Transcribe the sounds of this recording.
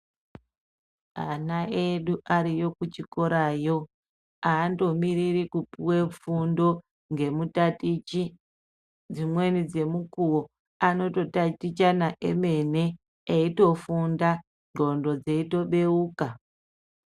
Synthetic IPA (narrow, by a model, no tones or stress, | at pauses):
a̰naʔeɗuʔaɾijo̞kut͡ʃiko̞ɾaːjo̞ | aːndo̞miɾirikupiwe̞p͡fundo̞ | ŋɡe̞mutatit͡ʃi | d͡zimwe̞nid͡ze̞mukuwo̞ | ano̞to̞tatit͡ʃanaʔḛme̞ne̞ | eito̞funda | no̞ndo̞d͡zeito̞ɓe̞uːka